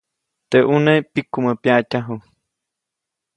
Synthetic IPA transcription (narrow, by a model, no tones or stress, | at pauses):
t̪eʔunepikːuməpjacaɦu